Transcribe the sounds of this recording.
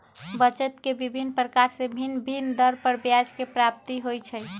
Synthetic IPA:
bət͡ʃət̪kebibʱinːpɾəkaɾsẽbʱinbʱind̪əɾpəɾbjad͡ʒkepɾap̚t̪iɦojt͡ʃʰəj

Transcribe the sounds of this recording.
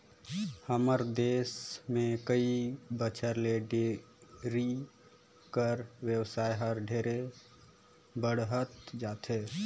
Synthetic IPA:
həməɾd̪eːsmẽkəibət͡ʃʰəɾleɖe | ɾi | kəɾwjəwsaːjɦəɾɖʱeɾe | bəɽɦət̪d͡ʒaːt̪e

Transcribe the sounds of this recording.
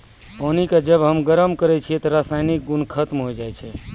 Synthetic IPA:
onikad͡ʒəbɦəmɡəɾəmkəɾɛt͡ʃʰiɛt̪ɔɾasajnik̚ɡunkʰət̪mɦojd͡ʒajt͡ʃʰɛ

